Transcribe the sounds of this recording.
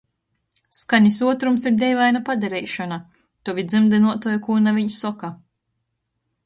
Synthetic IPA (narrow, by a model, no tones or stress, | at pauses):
skaɲisuɔt̪ɾumsiɾd̪ʲɛjlajnapad̪ɛɾɛjʃɔna | t̪uvʲid̪zɨmd̪ɨnuɔt̪ɔjkuːnaviɲʃsɔka